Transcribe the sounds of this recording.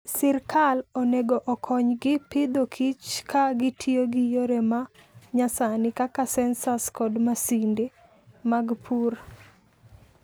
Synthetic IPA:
sɪrkʰaloneɡoʔɔkʰɔɲɡɪpɪd̪okʰit͡ʃkʰaɡɪtʰioɡɪjoɾɛmaɲasanɪkakasɛnsaskɔdmasindɪ | maɡpʰuɾa

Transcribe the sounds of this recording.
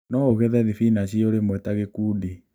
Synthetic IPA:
nɔoɣɛðɛðifinaʃioɾemwɛtaɣekuːdi

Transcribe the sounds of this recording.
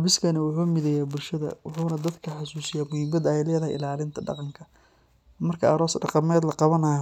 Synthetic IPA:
ħɑbɪskʰɐnɐwʊħuːmɪðɛjaːbʊlʃɐðɐ̰wʊħuːnɐd̪ɐd̪kʰɐħɑsuːsɪjaːmʊhɪmɐd̪ɐɛjlɛːðɐɦɛjʔɪ̰laːlɪnt̪ʰɐɖɑ̰qɑŋkʰɐ | mɐrkʰɐɐɾɔːsɖɑqɑmɛːd̪lɐqɑβɐnɐjɔ

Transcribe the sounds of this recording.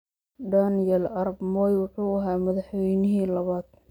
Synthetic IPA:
ɖaːnjɐlʔɐɾɑbmɔːjwʊħuːɐɦaːmɐðɑħwɛjnɪɦiːlɐβaːd̪̥̚

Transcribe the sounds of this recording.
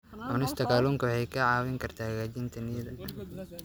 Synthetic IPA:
ʔʊnɪst̪ʰɐkʰaːluːŋkɐwħɛjkʰɐʕɑːwɪŋkʰɐrt̪ʰaːɡaːd͡ʒɪnt̪ʰɐnɪjɐðɐ

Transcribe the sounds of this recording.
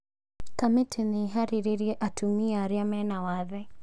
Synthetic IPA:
kamɛtʰiniɦaɾiɾiɾiʔatʰumiaɾjamɛnawaðɛ

